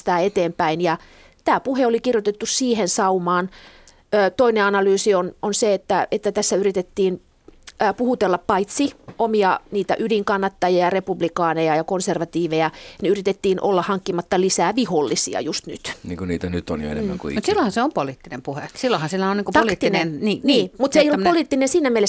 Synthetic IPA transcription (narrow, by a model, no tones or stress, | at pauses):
t̪æːet̪eːmpæinjɑ | t̪æːpuheolikirjot̪et̪ːussiːhensɑumɑːn | øːt̪oineɑnɑlyːsiononseet̪ːæet̪ːæt̪æsːæyrit̪et̪ːiːnː | puhut̪elːɑppɑit̪siʔomiɑniːt̪æ̰ʔydiŋkɑnːɑt̪ːɑjɑjɑrepublikɑːnejɑjɑkonserʋɑt̪iːʋejɑniyrit̪et̪ːiːnʔo̰lːɑhɑŋkːimɑt̪ːɑlisæːʋiholːisḭɑ̰just̪nyt̪niːŋkuniːt̪ænyt̪ːonjo̰ḛnemæŋkṵmusilːohɑ̃seompoliːt̪ːinempuhesilːohɑnsilːæoniːŋkut̪ɑlt̪ːinnniːniːmut̪seijolupoliːˑt̪ːinensiːnæmiele